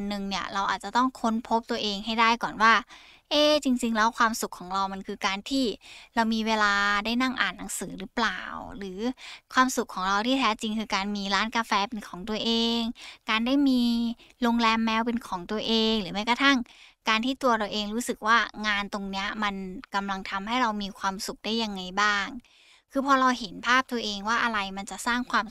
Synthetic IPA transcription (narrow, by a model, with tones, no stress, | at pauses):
nːɯ˨˩ŋni˥˩ɐɾa˧wʔaː˨˩t͡ɕa˨˩t̪ɔ˥˩ŋkʰo˦˥npʰo˦˥p̚t̪u˧ɐʔeː˧ŋɦa˥˩jdaː˥˩jkɔː˨˩nwaː˥˩ | ʔeː˧˩t͡ɕi˧ŋt͡ɕi˧ŋlɛː˦˥wkʰwaː˧msu˨˩kʰːɔː˩˦ŋɾa˧wma˧nkʰɯː˧kaː˧nt̪ʰiː˥˩ɾa˧wmiː˧weː˧laː˧daː˥˩jna˥˩ŋʔa̰ː˨˩nːa˩˦ŋsɯː˩˦ɾɯ˦˥plaː˨˩wɾɯː˩˦kʰwaː˧msu˨˩kʰːɔː˩˦ŋɾa˧wt̪ʰiː˥˩t̪ʰɛː˦˥t͡ɕi˧ŋkʰɯː˧kaː˧nmiː˧ɾaː˦˥nkaː˧fɛː˧pe˧nkʰɔː˩˦ŋt̪u˧ɐʔeː˧ŋkaː˧ndaː˥˩jmiː˧ɾo˧ŋlɛː˧mːɛː˧wpe˧nkʰɔː˩˦ŋt̪u˧ɐʔeː˧ŋlɯː˩˦ma˥˩jkɔ˧˩t̪ʰa˥˩ŋkaː˧nt̪ʰiː˥˩t̪u˧ɐɾa˧wʔeː˧ŋɾuː˦˥sɯ˨˩k̚waː˥˩ŋaː˧nt̪o˧ŋni˦˥ɐma˧nka˧mla˧ŋt̪ʰa˧mɦa˥˩jɾa˧wmiː˧kʰwaː˧msu˨˩k̚daː˥˩jːa˧ŋːa˧jbaː˥˩ŋ | kʰɯː˧pʰɔː˧ɾa˧wɦe˨˩˦npʰaː˥˩p̚t̪u˧ɐʔeː˧ŋwaː˥˩ʔa˧ɾa˧jma˧nt͡ɕa˨˩ʔsaː˥˩ŋkʰwaː˧m